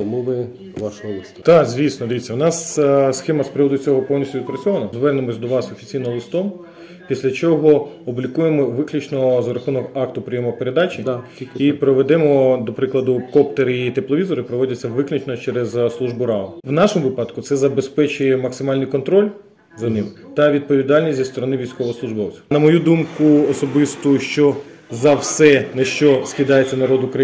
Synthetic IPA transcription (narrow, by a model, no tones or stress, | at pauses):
muʋɪ | ʋɑʃɔlˠɪst̪t̪ɑkzʲʋʲisnɔd̪ɪʋʲit͡sʲːɐʋwnɑssxɛmɐspɾɪʋɔd̪ʊt͡sʲɔɦɔpɔwnʲisʲtʲʊʋʲɪd̪pɾɐt͡sʲsʲɔʋɐnɐzʋɛrnemɔsʲd̪ɔʋɑsɔfʲi̥t͡sʲijnɔɦlˠɪst̪ɔm | pʲisʲlʲɐt͡ʃɔɦɔɔblʲikujemɔʋɪklʲut͡ʃnɔzɐɾɐxunɔkɑkt̪ʊpɾʲɪjɔmɔpeɾed̪ɑt͡ʃʲid̪ʲiipɾɔʋed̪ɛmɔd̪ɔpɾɪklˠɐd̪ʊkɔpt̪eɾit̪eplˠɔʋʲizɔɾɪpɾɔʋɔdʲɐt͡sʲːɐʋɪklʲʊt͡ʃnɔt͡ʃɛɾezslˠuʒbʊɾɑlˠɐʋnɑʃomʊʋɪpɑd̪kʊt̪sɛzɐbespɛt͡ʃʊjɛmɐksɪmɑlʲnɪjkɔnt̪ɾɔlʲ | zɐnɪmt̪ɐʋʲid̪̚pɔʋʲid̪ɑlʲnʲisʲt̪ʲzʲist̪ɔɾɔnɪʋʲijsʲkɔʋɔɦɔslˠʊʒbɔwt͡sʲi̥nɐmɔjud̪umkʊɔsɔbɪst̪ʊʃt͡ʃɔzɐwsɛnɛʃt͡ʃɔskʲid̪ɑjet͡sʲːɐnɐɾɔd̪ʊkɾɐ